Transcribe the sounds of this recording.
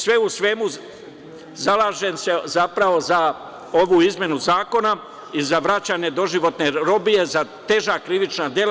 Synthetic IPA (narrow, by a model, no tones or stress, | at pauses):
sʋe̞usʋe̞mu | zalaːʒense̞zapɾaʋo̞za | o̞ʋuːizmje̞nuzaːko̞na | izaʋɾat͡ɕaːɲe̞d̪o̞ʒiʋo̞t̪ne̞ɾo̞bije̞zat̪e̞ʒaːkɾiʋit͡ʃnad̪je̞l